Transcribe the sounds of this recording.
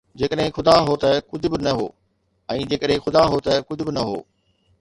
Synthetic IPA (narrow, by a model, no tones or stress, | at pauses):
d͡ʑeːkəɗɦɪ̃xʊd̪aɦot̪ɐkʊd͡ʑʱʊbɪnɐɦo̰ː | ɛ̃ːd͡ʑeːkəɗɦɪ̃xʊd̪aɦot̪ɐkʊd͡ʑʱʊbɪnɐɦo̰ː